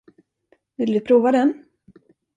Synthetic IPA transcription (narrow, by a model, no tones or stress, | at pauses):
vɪld̪ɵpʰɾuːvad̪ɛn